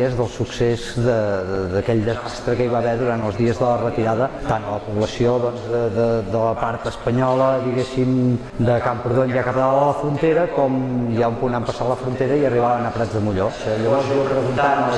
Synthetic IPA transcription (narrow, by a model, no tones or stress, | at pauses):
əzðəlˠsuksezðəðəðəkɛʎd̪əzast̪ɾəkəiβaβɛðuɾant̪əlˠzðiəzðələrət̪iɾaðət̪anələpuβləsioðɔnzðəðəd̪ələpaɾt̪əspəɲɔləðiɣesim | d̪əkampuɾðonjakəpd̪aəələfɾunt̪eɾəkɔmjaumpunampəsaləfɾunt̪eɾəiəriβaβənəpɾazðəmuʎoʎəβɔɾziəpɾəɣunt̪anə